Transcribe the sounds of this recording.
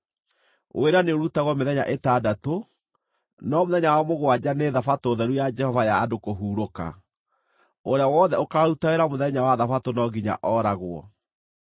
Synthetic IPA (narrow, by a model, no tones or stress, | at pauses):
o̰eɾaneoɾutaɣwɔmeðɛɲa̰ʔetadato | nɔmoðɛɲawamoɣowad͡ʑaneðafatoðɛɾujad͡ʒɛhɔvajaːdokoɦuːɾoka̰ | oɾeawɔðɛokaɾutaeɾamoðɛɲawaðafatonɔɡiɲa̰ʔɔɾaɣwɔ̰